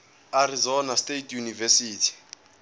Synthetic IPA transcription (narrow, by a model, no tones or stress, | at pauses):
arizɔnastetʰʼjunivɛsiːtʰi̥